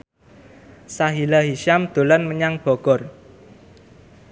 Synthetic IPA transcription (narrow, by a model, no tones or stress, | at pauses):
saɦilaɦiʃamd̪̥o̤lɔnməɲaŋb̥ɔɡ̥ɔr